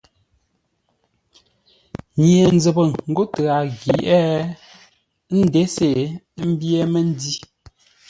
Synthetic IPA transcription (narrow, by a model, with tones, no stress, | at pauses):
ɲje˨n˦d͡zə˨bə˨ŋŋ̩˦ɡo˦ta˨ɣi˨ʔɛ˦ | n̩˦de˨˦se˦˨˦ | m̩˦bjɛ˦me˦n˦di˦